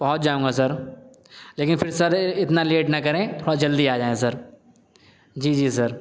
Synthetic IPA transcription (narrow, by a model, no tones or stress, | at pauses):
b̥ɐɦʊt̪̚d͡ʒaːũːŋɡasɐɾ | leːkɪnfɪɾsɐɾɪt̪naleːʈnɐkɐɾẽt̪ʰoːɽad͡ʒɐld̪iaːd͡ʒaːẽsɐɾ | d͡ʒiːd͡ʒiːsɐɾ